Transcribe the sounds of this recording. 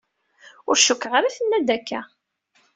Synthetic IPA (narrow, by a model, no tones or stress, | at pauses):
ʊɾʃʊkːʁaɾæθənːæd̪ækːæ